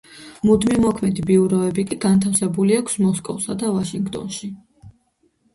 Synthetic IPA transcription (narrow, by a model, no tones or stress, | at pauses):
mud̪mimɔkʰmɛd̪ibiuɾɔɛbikʼiɡant̪ʰafsɛbuliakʰsmɔskʼɔ̰fsad̪avaʃiŋɡt̪ʼɔ̰nʃi